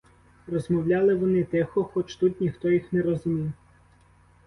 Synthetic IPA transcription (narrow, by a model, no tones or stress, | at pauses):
rɔzmɔwlʲɑlˠɪʋɔnɪt̪ɛxɔxɔt͡ʃt̪ut̪ʲnʲixt̪ɔjixnɛɾɔzʊmʲiw